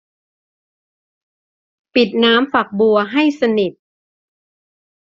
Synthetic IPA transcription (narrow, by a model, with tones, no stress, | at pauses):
pi˨˩t̪̚naː˦˥mfa˨˩k̚bu˧ɐɦa˥˩jsa˧ni˨˩t̪̚